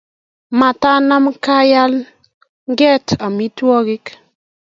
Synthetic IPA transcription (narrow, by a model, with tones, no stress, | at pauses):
ma˨ta˦na˦mka˦ja˦l | ŋɡɛ˦ta˨mi˦twɔ˦ɡɪ˦k